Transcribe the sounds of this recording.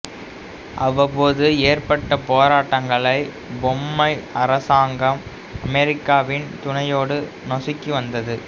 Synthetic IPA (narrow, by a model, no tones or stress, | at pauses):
ʔɐʋɐpoːðɯeːrpɐʈːɐpoːɾaːʈːɐŋɡɐɭɐɪ | bɔmːɐɪɐɾɐsaːŋɡɐm | ɐmɛɾɪkːaːʋɪnt̪ʊnɐjoːɽɯ | nɔsɪkːiʋɐnd̪ɐðɯ